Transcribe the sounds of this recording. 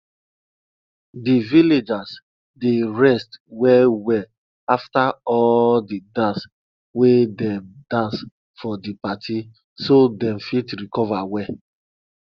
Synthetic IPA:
diviled͡ʒas | deɹɛstwɛlwɛ | aftaɔldidãns | wedɛmdãns | fɔdipatʰi | sodɛ̃mfitɾikɔvawɛ

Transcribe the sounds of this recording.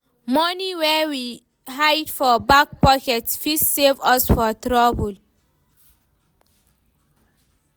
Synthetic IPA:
mɔniwɛwi | ɦajdfɔbak̚pɔkɛtsfissevɔsfɔt̪ɾɔbul

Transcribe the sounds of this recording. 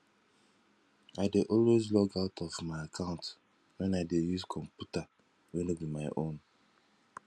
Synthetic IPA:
aɪdeʔɔlwezlɔɡaʊtʰɔvmaɪakʰãʊ̃nt | wɛ̃naɪdejuzkʰɔ̃mpjuta | wɛnobimaɪʔõn

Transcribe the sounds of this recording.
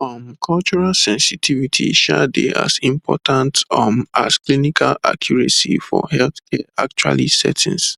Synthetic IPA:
fɔ̃mkʰɔlt͡ʃɔɹalsɛ̃nsitʰivitʰḭʃɛdeʔa̰sĩmpʰɔtʰãntɔmasklinikʰalakʰjɔɹɛsifɔhɛlθkʰɛak̚t͡ʃwa̰lisɛtʰĩns

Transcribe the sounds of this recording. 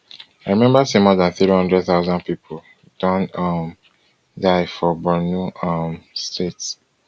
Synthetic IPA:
aɪɹimɛ̃mbasemɔðãnθɹihʌ̃ndɹɛd̪̚θaʊzãnpipʰol | d̥ɔ̃nʌm | daɪfɔbɔnuamstʰets

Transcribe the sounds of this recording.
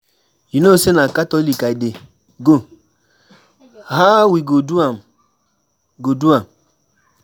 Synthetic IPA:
jinosenakatɔlikaide | ɡo | ɦawiɡoduam | ɡoduam

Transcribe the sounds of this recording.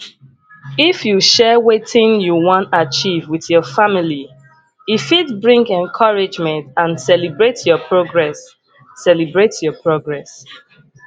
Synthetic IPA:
ifjuʃɛwetĩnjuwɔ̃ntat͡ʃivwiðjɔfamili | ifitbɹĩŋɡɛ̃nkʰɔɹid͡ʒmɛ̃ntãnsɛlibɹetjɔpʰɹoɡɹɛsː | ɛlibɹetjɔpʰɹoɡɹɛs

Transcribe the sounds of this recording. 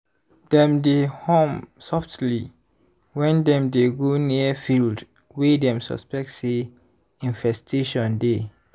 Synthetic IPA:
d̥ɛ̃mdehõmsɔftli | wɛ̃ndɛ̃mdeɡoniəfild | wedɛ̃msɔ̰spɛk̚tse | ĩnvɛstʰeʃɔ̃nde

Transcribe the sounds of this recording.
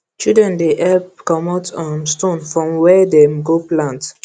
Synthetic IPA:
t͡ʃidɹɛ̃ndeʔɛlpkɔ̃matʰɔ̃nstõnfɹɔ̃mwɛdɛ̃mɡoplãnt

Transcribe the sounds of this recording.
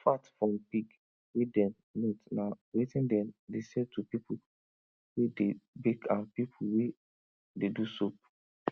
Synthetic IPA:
fatfɹɔ̃mpik | wedɛ̃n | nitnawetĩndɛ̃mdesɛd̚tʰupipu | wedebekãnpipʰuwe | dedusop̚

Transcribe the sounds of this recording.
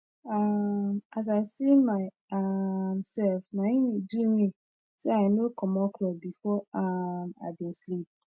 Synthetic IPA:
amas̬aɪsimaɪ | amsɛlfnãĩniduĩmĩ | seaɪnokʰɔ̃mɔkʰlɔbifɔama̰ɪbĩnslip̚

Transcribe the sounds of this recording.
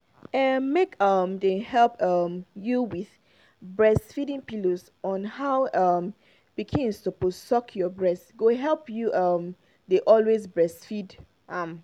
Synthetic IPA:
ɛmekʌmdehɛlpʌmjuwið | bɹɛsfiɾĩŋpiloz | ɔ̃nhaʊʌm | b̥ikʰĩnstoposɔkʰjɔbɹɛsɡoɦɛlpjuʔʌm | deʔɔlwezbɹɛsfid | ʔʌm

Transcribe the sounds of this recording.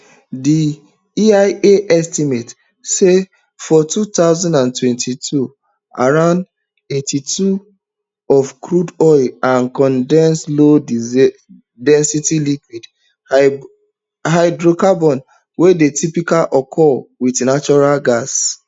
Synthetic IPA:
di | iaɪeʔɛstimet | se | fɔtutaʊzãndãntwɛ̃ntʰitʰu | a̰ɹãʊ̃nd | etitu | ɔfkɹudɔɪlãnkɔ̃ndɛ̃nslo | dɛ̃nsitilikwid | haɪdɹokabɔ̃n | wedetipikalʔɔkʰɔlwidnat͡ʃɔɹalɡas

